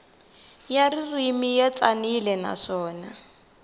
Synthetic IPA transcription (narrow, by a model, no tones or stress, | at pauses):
jaririmijɛt͡sanilɛna̰ʂɔːna